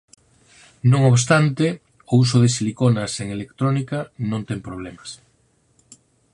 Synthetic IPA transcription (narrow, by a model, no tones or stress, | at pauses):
nõŋoβs̬t̪ant̪ɪ | ʊus̬ʊðesilikonaseŋelekt̪ɾonikanõnt̪ɛŋpɾoβ̞lɛmas